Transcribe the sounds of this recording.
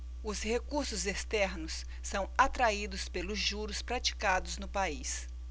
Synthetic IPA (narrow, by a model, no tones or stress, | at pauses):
ʊshekuɾsʊzest̪ɛɾnʊsː | ɐ̃w̃at̪ɾaid̪ʊspelʊzʒuɾʊspɾat͡ʃi̥kad̪ʊznʊpais